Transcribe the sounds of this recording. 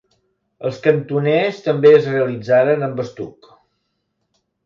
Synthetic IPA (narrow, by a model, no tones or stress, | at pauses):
əlˠskənt̪unest̪əmbeəzreəlid͡zaɾənəmbəst̪uk